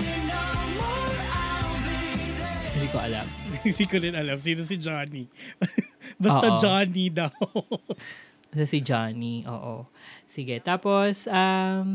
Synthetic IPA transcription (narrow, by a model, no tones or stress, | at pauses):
hɪnd̪iːkoʔɐlɐ̰mɪ̃nd̪iːkod̪ɛnɐlɐms̬iːnos̬ɪd͡ʒaːni | bɐst̪ɐd͡ʒaːnid̪ɐw | sɐsɪd͡ʒaːniʔo̰ːʔo̰sɪɡɛt̪aːposʔɐm